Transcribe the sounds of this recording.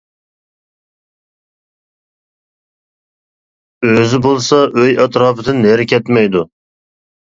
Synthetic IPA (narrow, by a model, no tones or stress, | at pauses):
øzɪbolˠsɑʔøjɑt̪ɾɑːpʰɨd̪ɨnːeɾkʲʰɛt̪mɛjd̪u